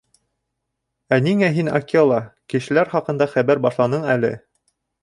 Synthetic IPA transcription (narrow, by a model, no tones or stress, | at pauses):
æniŋæɦinɑ̰kiolˠɑkɘ̆ʃɘ̆læɾχɑqɤ̆nd̪ɑχæβæɾbɑʃlˠɑnɤɴælɘ̰